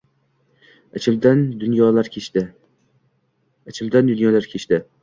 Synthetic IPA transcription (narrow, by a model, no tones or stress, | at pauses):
at͡ʃʰɪld̪and̪ʊnjɒlaɾʲ | at͡ʃʰɪld̪and̪ʊnjɒlaɾkʲʰet͡ʃt̪ɪ